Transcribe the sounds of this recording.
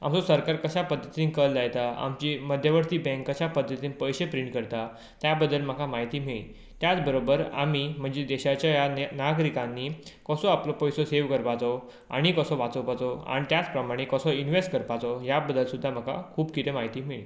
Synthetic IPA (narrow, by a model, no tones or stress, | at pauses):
a̰md͡zɔsəɾkaɾkəɕapəd̪ʱːət̪iːnkəld͡zajt̪aa̰mt͡ɕiməd̪ʱjəʋəɾt̪iːbɛ̃ŋkːəɕapəd̪ʱːət̪iːnpəjɕepɾiɳʈ̚kəɾt̪a | t̪jabəd̪ːəlm̤əkʰamaɦit̪iːmiɭḭː | t̪jat͡sbəɾobəɾa̰m̤im̤əɳd͡zed̪eɕat͡ɕjajanaɡɾikãnːikəsɔaplɔpɔjsɔseʋkəɾpat͡sɔ | a̰ɽ̃ikəsɔʋat͡səwpat͡sɔa̰ñit̪jat͡spɾəmaɽ̃ekəsɔinʋesʈ̚kəɾpat͡sɔɦjabəd̪ʱːəlsud̪ʱːaməkʰa̰kʰuːbkit̪emaɦit̪iːmiɭḭː